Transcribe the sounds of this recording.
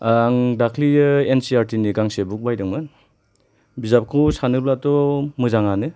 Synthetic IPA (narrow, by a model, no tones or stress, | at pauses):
aŋdakʰlijɯensiaɾtiniɡaŋsebuk̚bajdɯŋmɯn | bizap̚kʰusanɯblatɔmɯzaŋanɯ